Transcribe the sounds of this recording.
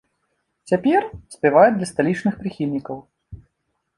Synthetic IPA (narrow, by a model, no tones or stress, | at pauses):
t͡sʲapʲɛrsʲpʲɛvajɛd̪lʲɐst̪alʲit͡ʂnɨxpɾɨxʲilʲnʲikɐw